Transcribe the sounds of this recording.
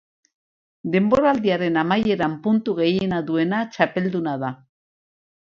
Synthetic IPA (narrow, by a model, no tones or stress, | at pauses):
d̪e̞mbo̞ɾald̪iaɾe̞namaje̞ɾampunt̪uɣe̞jenaðue̞nat͡ʃape̞ld̪unað̞a